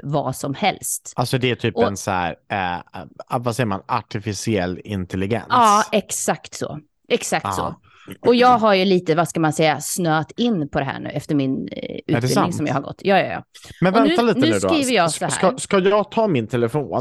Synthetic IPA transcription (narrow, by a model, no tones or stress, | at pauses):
vɑ̰sɔmhɛlst̪alsɔd̪ɛæt̪ʰyːpɔɛnsæ̰ɾɛ | vasɛjːəɾma̰naʈɪfɪsɪɛlːɪnt̪ʰɛlɪɡɛ̰nɑːɛksakt̪sɔ̰ | ʔɛksak̚t̪sɔ̰ | ʔɔjɑːɡɦaɾjɵliːt̪əvaskamansɛjːasnøːt̪ɪnːpʰɔd̪ɛɦæ̰ːɳʉ̟ːɛft̪əɾmɪnʉ̟ɪlɪŋsɔmjɑ̰ːhaɾɡɔ̰t̪ːjɑːjɑ̰jɑ̰ːmɛnvɛnʉt̪aliːtnəʉːʉːd̪ɔɾiːvəjɑːsɔhhæːaskajɑːɡt̪ʰɑːmɪnt̪ʰɛləfoːn